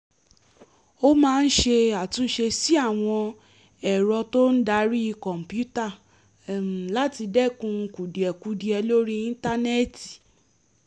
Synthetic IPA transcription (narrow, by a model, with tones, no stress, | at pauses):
o˦mãː˧˦˧n̩˦ʃe˧a˨tũ˨˧˦ʃe˧si˦a˦˨w̃ɔ̃˧ | ɛ˨ɾɔ˧to˦n̩˦da˧˦ɾi˦˧kɔ̃˨m̩˨pju˦ta˦˨ | la˦ti˧dɛ˦˨kũ˧ku˨di˨ɛ˨ku˨˦di˧ɛ˧lo˦ɾi˦ĩ˦n̩˦ta˦nɛ˦˨ti̥˨